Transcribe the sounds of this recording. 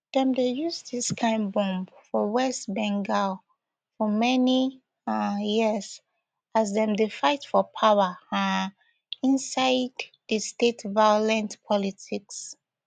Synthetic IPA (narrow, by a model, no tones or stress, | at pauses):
ð̥ɛ̃mdejusdiskʰãɪ̃nbɔ̃mfɔwɛstbɛ̃ŋɡal | fɔmɛni | jiz | azðɛ̃mdefaɪtfɔpʰawə | ĩnsaɪdðəstetvajɔlɛ̃ntpʰɔlitʰiks